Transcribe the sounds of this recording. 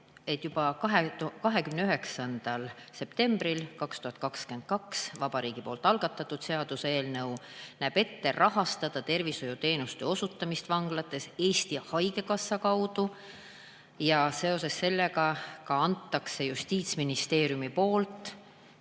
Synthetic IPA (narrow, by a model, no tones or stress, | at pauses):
e̞t̪jub̥ɑkɑɦekɑɦe̞kymneyɦe̞ksɑnd̪̥ɑlse̞pt̪e̞mbrilkɑkst̪uhɑt̪̚ˑkɑkskend̪̥̚kɑksvɑb̥ɑɾiːɡ̥ipo̞ːlt̪ːˑɑlɡ̥ɑt̪ːˑɑt̪ːˑud̪̥se̞ɑd̪usee̞ːlnɤwnæːb̥e̞t̪ːe̞rʔɑɦɑst̪ɑd̪̥ɑt̪e̞rviso̞jut̪e̞ːnust̪eo̞sut̪ːˑɑmist̪vɑŋɡ̥lɑt̪ːˑe̞se̞ːst̪ihɑjɡe̞kɑsːɑkɑwd̪̥u | jɑse̞o̞se̞sːe̞lːe̞kɑkɑɑnt̪ːɑkse̞just̪iːt̪sminist̪e̞ːɾjumipo̞ːlt̪ˑ